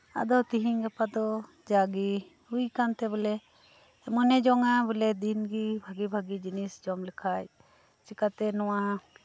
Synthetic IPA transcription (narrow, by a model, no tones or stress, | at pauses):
a̰d̪ɔt̪iɦiŋɡapad̪ɔ | d͡ʒaɡi | ujkant̪ɛbɛlɛ | mɔnɛd͡ʒɔŋabɛlɛd̪inɡibʱaɡibʱaɡid͡ʒinisd͡ʒɔmlikʰaj | t͡ʃikat̪ɛnɔwa